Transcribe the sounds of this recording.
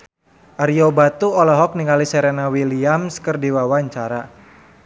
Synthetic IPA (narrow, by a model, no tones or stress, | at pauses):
ʔaɾiobat̪uɔlɔɦɔk̚niŋalisɛɾenawiliamskərdiwawaɲt͡ʃaɾa